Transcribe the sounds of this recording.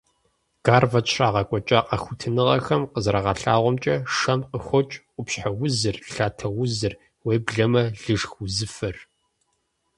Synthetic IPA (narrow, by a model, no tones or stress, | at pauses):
ɡ̥aːrvɐt͡ʃʰraːʁɐkʷʼɔt͡ʃʼɐqɐxʷʊtʰɨnɨʁɐxɐmqəzɾɐʁɑɬa̰ːʁʷɔmt͡ʃʼɐʂɐmqəxʷɔt͡ʃʼqʷʊpɕħawʊzɨrɬaːtʰɐwʊzɨr | weːbɮɐmɐɮɨʐxʊzɨfɐr